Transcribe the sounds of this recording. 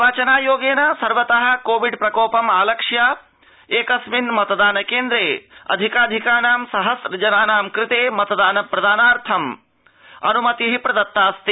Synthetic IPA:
ʋaːt͡ʃɐnaːjoːɡeːnɐsɐɾʋɐt̪ɐɦɐ̆koːʋiɖpɾɐkoːpɐmaːlɐkʂja | eːkɐsminmɐt̪ɐd̪aːnɐkeːnd̪ɾeːɐ̰d̪ʱikaːd̪ʱikaːnaːmsɐɦɐsɾɐd͡ʒɐnaːnaːmkɾɪt̪eːmɐt̪ɐd̪aːnɐpɾɐd̪aːnaːɾt̪ʰɐm | ɐ̰numɐt̪iɦipɾɐd̪ɐt̪ːaːst̪i

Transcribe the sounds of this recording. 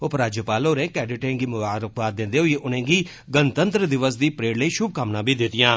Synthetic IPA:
opɾaːd͡ʒjəpaːloːɾẽːkɛːɖɪʈẽːɡiːmʊʋaːɾəkʋaːt̪̚ːɪ̃nd̪eːɦʊiʔʊnẽːɡiː | ɡənt̪ənt̪ɾəd̪ɪʋəsd̪iːpɾeːɽləiːʃʊb̚kaːmnãːbiːd̪ɪt̪ɪjãː

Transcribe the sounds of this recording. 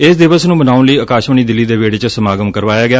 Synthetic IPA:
ɪsd̪ɪʋəsnũːbənaːʊnləiːəkaːʃʋəɳ̃iːd̪ɪlːiːd̪eːʋeːɽeːt͡ʃsəmaːɡəmkəɾʋaːjaːɡɪaː

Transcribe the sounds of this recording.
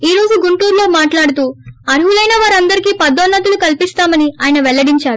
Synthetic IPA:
iːɾo̞ːd͡ʒuɡuɳʈuːɾlo̞ːmaːʈlaːɽut̪uːɐɾɦulɐjnaːʋaːɾɐnd̪ɐɾikiːpɐd̪ːonːɐt̪ulukɐlpist̪aːmɐniaːjɐnɐʋɛlːɐɽiɲt͡ʃaːɾuu

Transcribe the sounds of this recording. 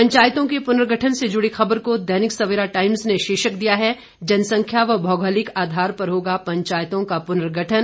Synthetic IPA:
pɐ̃ɲt͡ʃaːjt̪õkepʊnɾɡʱəʈʰənsed͡ʒʊɽixɐbəɾkod̪ɛnɪksɐʋɪːɾaʈaːɪmzneʃeːʃəkd̪ijaɦɛ | d͡ʒɐnsɐ̃ŋkʰjaʋɐbʱɔːɡəlɪkaːd̪ʱaːɾpɐɾɦoːɡapɐ̃ɲt͡ʃaːjt̪õkapʊnɾɡʱəʈʰən

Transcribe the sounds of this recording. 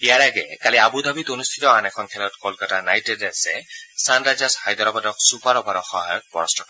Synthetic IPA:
ijaɹaɡɛ̰kaliabud̪abitonust̪ʰitɔanɛkʰɔnkʰɛlɔtkɔlkatanajtɛdasɛsanɹazashajd̪ʱɔɹɔbadɔksupaɹɔbʱaɾɔxɔɦa̰jɔt̚bɔ̰ɹɔstʰɔkɔ

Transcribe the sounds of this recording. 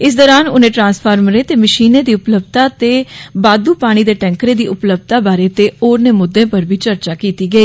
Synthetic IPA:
ɪs̬d̪ɔːɾaːnʊnẽːʈɾãːnspʰaːɾmɾeːt̪eːməʃiːneːd̪iːʊpləbt̪aːt̪eːbaːd̪uːpaːɽ̃iːd̪eːʈɛ̃ːŋkɾeːd̪iːʔʊpləbt̪aːbaːɾeːt̪eːoːɾneːmʊd̪ːẽːpəɾbʱiːt͡ʃəɾt͡ʃaːkiːt̪iːɡəiː

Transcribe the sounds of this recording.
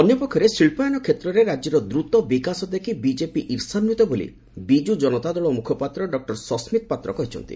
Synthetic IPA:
ɔnjɔpɔkʰːɔɾesiɭpajanɔkʰet̪ɾɔɾeɾad͡ʒiɾɔd̪ɾut̪ɔbikasɔd̪ekʰibid͡ʒepiʔiɾsanːut̪ɔbolḭ | bid͡ʒud͡ʒɔnɔt̪ad̪ɔɭɔmukʰɔpat̪ɾɔɖɔk̚ʈɔɾsɔsmit̪̚pat̪ɾɔkɔɦit͡ʃʰɔ̰nt̪ḭ

